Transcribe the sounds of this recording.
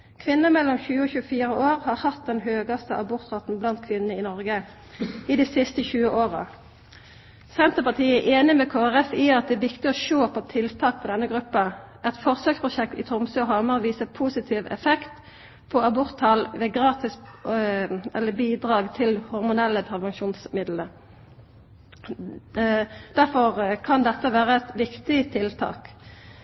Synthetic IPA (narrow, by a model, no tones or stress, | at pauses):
kʰʋɪnːəmɛlːɔmçʉːəɔːçʉːəfiːʁəoːʁhɑːɾhɑt̪̚d̪ɛnɦøːɡɑst̪əʔɑbʊʁt̪ʁɑt̪n̩blɑnt̪̚kʰʋɪnənəɪnɔʁɡə | ɪd̪isɪst̪əçʉːəʔoːʁə̰ | sɛnt̪əpɑt̪ʰiːæʔeːnɪmɛkʰoːæʁɛfɪɑt̪̚d̪ɛæʋɪkt̪ɪɔʃoːpʰɔt̪ʰɪlt̪ʰɑːk̚pʰɔd̪ɛnːəɡʁʉpːɑ | ʔɛt̪fɔʁsøːkspʰʊʃɛk̚t̪ɪt̪ʰʊmsøːɔɦɑməʁʋiːsəpʰuːsɪt̪ʰiːʋɛ̰fɛkt̪ | pʰɔɑbʊʁt̪hɑlʋeːɡʁɑːt̪ɪs | ɛlːəbiːd̪ʁɑːɡt̪ʰɪlhʊʁmʊnɛlːəpʰɛʋɛŋʃuːnsmɪd̪ləɾ | d̪̥æʁfɔʁkʰɑnd̪ɛt̪ːəʋæːʁəɛt̪ʋɪkt̪ɪt̪ʰɪlt̪ʰɑ̰ːk